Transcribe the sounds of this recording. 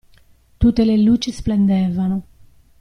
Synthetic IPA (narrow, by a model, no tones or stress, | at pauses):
t̪ut̪elelut͡ʃesplend̪evano